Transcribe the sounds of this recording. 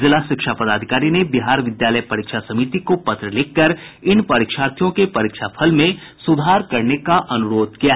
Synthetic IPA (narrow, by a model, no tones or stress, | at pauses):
zɪlaʃɪkʃaːpɐd̪aːd̪ʱɪkaːɾinebiɦaːɾʋɪd̪jaːləjpɐɾiːkʃasɐmiːt̪ikopɐt̪ɾəlɪkːəɾɪnpɐɾɪːkʃaːɾt̪ʰjõkepɐɾiːkʃapʰɐlmẽ | sʊd̪ʱaːɾkɐɾnekaʔɐnʊɾoːd̪̚kijaɦ